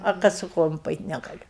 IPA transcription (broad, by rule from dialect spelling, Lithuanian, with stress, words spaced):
ɐr ˈkɐt sʊ ˈkoːjoːm pɐˈɛɪtʲ nʲɛɡɐˈlʲʊ